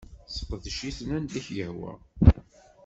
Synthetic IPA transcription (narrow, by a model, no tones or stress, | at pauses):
sˤə̥qːðʃiθnænliçjəhwæ̰